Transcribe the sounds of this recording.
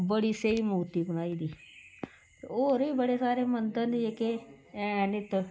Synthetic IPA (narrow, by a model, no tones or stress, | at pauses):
bəɽiːseiːmuːt̪iːbəñaːiːd̪iː | t̪oːɾiːbəɽeːsaːɾeːmənd̪ə̃nd̪ieke | nɪt̪